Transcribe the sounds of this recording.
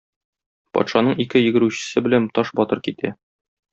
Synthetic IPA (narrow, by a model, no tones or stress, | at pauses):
pɒ̰t̪ʃɑnɤɴikɘjɘ̆ɡɘ̆ɾʉɕɘ̥̆sɘbɘ̆lænt̪ɒʃbɒt̪ɤɾkit̪æ